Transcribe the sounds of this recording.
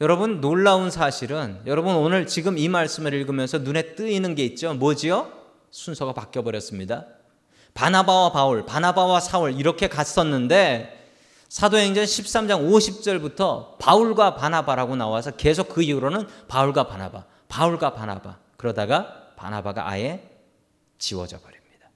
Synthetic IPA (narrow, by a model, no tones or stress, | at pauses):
jʌɾʌbunːoɭːaunsʰaɕʰiɾɯnjʌɾʌbɯnonɯɭt͡ɕiɡɯmimaɭs͈ɯmɯɾiɭɡɯmjʌnsʰʌnune̞t͈ɯinɯnɡe̞it̚t͡ɕ͈omʌd͡ʑiʌ | sʰunsʰʌɡapak͈jʌbʌɾjʌs͈ɯmɲida | panabawapauɭpanabawasʰaɯɾiɾʌkʰe̞kas͈ʰʌnːɯnde̞ | sʰadoɦe̞ŋd͡ʑaŋɕʰip̚s͈amd͡ʑaŋoɕʰip̚t͡ɕ͈ʌɭbutʰʌpauɭɡwapanabaɾaɡonawasʰʌke̞s̬ʰok̚ːɯiuɾonɯnpauɭɡwapana̰ba̰ | pauɭɡwapanaba̰ | kɯɾʌdaɡapa̰nabaɡa̰ʔa̰je̞ | t͡ɕiwʌ̰d͡ʑʌbʌɾjimɲid̥ḁ